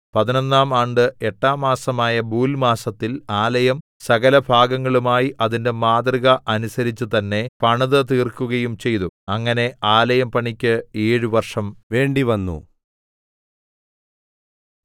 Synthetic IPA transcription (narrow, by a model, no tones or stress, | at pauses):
pɐðino̞nːaːmaːɳɖɨeʈːaːmaːsɐmaːjɐbuːlmaːsɐt̪ːilaːlɐjɐm | sɐɣɐlɐbʱaːɡɐŋːɐɭumaːjiʔɐðinde̞maːd̪riɣɐʔɐnusɐɾit͡ɕːut̪ɐnːe̞pɐɳɐðɐt̪iːrkːuɣɐjumt͡ɕe̞jt̪uɐŋːɐne̞aːlɐjɐmpɐɳikʲːɨeːɻuʋɐrʂɐmʋe̞ːɳɖiʋɐnːṵ